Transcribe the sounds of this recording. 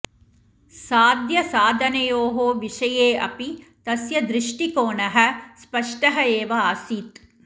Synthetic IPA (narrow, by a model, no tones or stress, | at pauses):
saːd̪jɐsaːd̪ʱɐnɐjoːɦoːʋiʃɐjeːɐ̰pi | t̪ɐsjɐd̪ɾɪʂʈikoːɳɐɦɐ̆spɐʂʈɐɦɐeːʋɐaːsiːt̪